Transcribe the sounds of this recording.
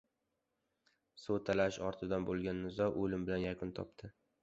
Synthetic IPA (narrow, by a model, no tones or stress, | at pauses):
sot̪ʰalaʃɒɾt̪ʰɪd̪anbolˠɡʲanːɪzɒʔolɪmbɪlanjakʰʊnt̪ʰɒ̰p̚t̪ʰɪ